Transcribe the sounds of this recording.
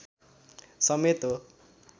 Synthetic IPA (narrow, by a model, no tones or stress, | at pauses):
sʌmet̪o